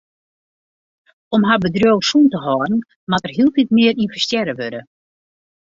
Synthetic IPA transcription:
ɔmɦabədrjowsuntəɦɔːrn̩ | matərɦilˠtitmɪəɾinfəɹstjɛɾəʋøɾə

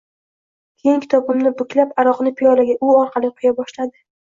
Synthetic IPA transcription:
kʲʰeŋkʲɪ̥t̪ʰɒbɪmnɪbʊkʲʰlapaɾɒqnɪpʰijɒlaɡʲaʔʊɒɾqʰɑlˠɪqʰʊjabɒʃlad̪ɪ

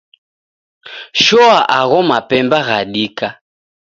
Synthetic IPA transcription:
ʃɔaʔaɣɔmapɛmbaɣaɗika

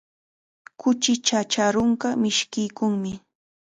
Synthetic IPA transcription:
kʊt͡ʃɪt͡ʃat͡ʃaɾʊɴɢɑmɪʃkɪjkʊŋmɪ

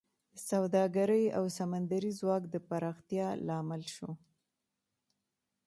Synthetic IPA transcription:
sawd̪ɑɡaɾəja̰wsamand̪aɾizwɑkd̪əpaɾɑxt̪jɑlɑmɪlʃo

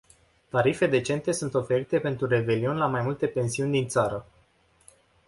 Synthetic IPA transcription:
t̪aɾife̞d̪e̞t͡ʃe̞nt̪e̞sunt̪o̞fe̞ɾit̪e̞pe̞nt̪ɾure̞ve̞lionʲlamajmult̪e̞pe̞nsiunʲd̪int̪saɾə

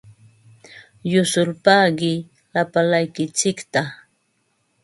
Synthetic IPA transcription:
jʊsʊlpaɢɪ | lapalajkɪt͡ʃɪkt̪a

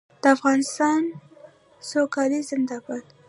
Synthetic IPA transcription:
d̪̥əafɣɑnɪst̪ɑn | sokɑlizəmd̪ɑbat̪

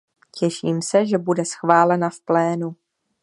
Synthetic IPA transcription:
cɛʃiːmsɛʒɛbudɛsxvaːlɛnafplɛːnu

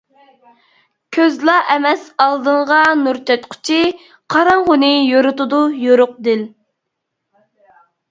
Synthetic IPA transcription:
kʲʰøzlˠɑʔɛmɛsɑlˠd̪ɨɴʁɑnuɾt̪ʰɛt̪qʰʊ̥t͡ʃʰi | qʰɑɾɑŋʁʊnɨjoɾʊt̪ʊd̪ʊjoɾʊq̚d̪ɪl

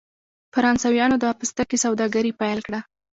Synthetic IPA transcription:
faɾɑnsawjɑnod̪əɑpəst̪akesawd̪ɑɡaɾipajlkɽa

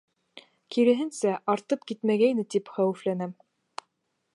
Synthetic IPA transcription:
kiɾɘ̆ɦɘ̆nsæʔɑɾt̪ɤp̚kit̪mæɡæjnɘt̪ipχæwɘ̆flænæm

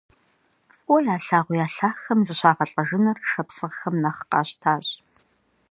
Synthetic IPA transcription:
fʷʼɔjaːɬaːʁʷʊjaːɬaːxɐmzɨɕaːʁɐɬʼɐʒɨnɐrʂɐpsɨʁxɐmnɐχqɑ̰ːɕtʰaːɕ

